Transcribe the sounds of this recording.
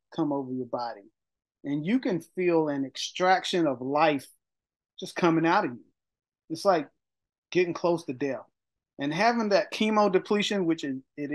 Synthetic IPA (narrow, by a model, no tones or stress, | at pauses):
kʰʌ̃moʊvə˞jə˞bɑɾi | ɨ̃njɨkɨ̃nfilˠɨ̃nɨkstɹ̥ækʃɨ̃nʌvlaɪf | d̥ʒ̥ʌskʰʌ̃mɪ̃ŋaʊɾʌvjʉ̰ | ɨtslaɪk̚ | ɡ̥ɛɾɪ̃ŋkʰl̥oʊstʰɨdɛθ | ʔɨ̃nɦævɪ̃ŋðɨt̚kʰimoʊdɨpʰl̥iʃɨ̃nwɨt͡ʃɨzɪɾ